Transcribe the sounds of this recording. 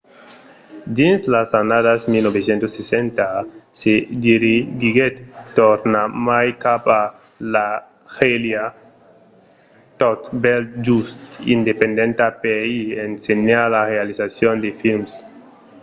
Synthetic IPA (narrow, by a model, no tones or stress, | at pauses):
dinslasanaðasmilnobesjent̪osːesent̪asediɾiɡiɡet̪toɾnamajkapa | la | xelja | t̪ot̪belt̪̚d͡ʒusḭnd̪epend̪ent̪apeiensenalarealisasjond̪efilms